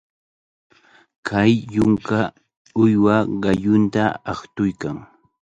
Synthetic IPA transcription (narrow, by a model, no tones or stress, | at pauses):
kʰajːʊŋka | ʊjwaɢɑjʊnt̪aːχt̪ʊjkaŋ